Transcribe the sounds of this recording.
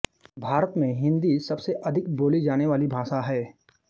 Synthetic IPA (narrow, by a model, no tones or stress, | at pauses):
bʱaːɾət̪mẽɦɪ̃nd̪isɐbseʔɐd̪ʱɪkboːlid͡ʒaːneʋaːlibʱaːʃaɦɛː